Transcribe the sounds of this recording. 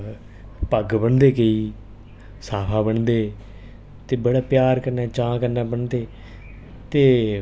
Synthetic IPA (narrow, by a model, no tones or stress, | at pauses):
pəɡbəɳd̪eːkeiː | saːpʰaːbəɳd̪eː | t̪eːbəɽaːpjaːɾkəɾnaːt͡ʃãːkəɾnaːbəɳd̪eː | t̪eː